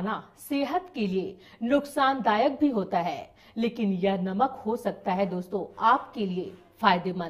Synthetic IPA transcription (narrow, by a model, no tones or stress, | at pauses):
naseːɦət̪kelie | nʊksaːnd̪aːjək̚bʱiɦoːt̪aɦɛː | leːkɪnjɐɦnɐməkhosɐk̚t̪aɦɛd̪oːst̪õaːpkelie | faːjd̪emɐ̃